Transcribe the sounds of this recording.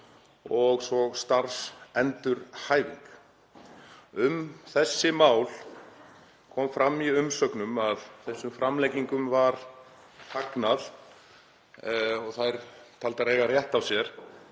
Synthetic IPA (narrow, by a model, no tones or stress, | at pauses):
ɔɣsɔst̪aɾsɛnt̪ʏɾhaːjvḭŋk | ʏmθɛsːɪmaːwl | kʰɔmfɾamːiʏmsœknʏmaðθɛsːʏmfɾamlɛjciŋkʏmvaɾ̥ | h̪ʰaknað | ɔɣθaɾt̪ʰalt̪aɾeːɣarjɛht̪avsjɛɾ̥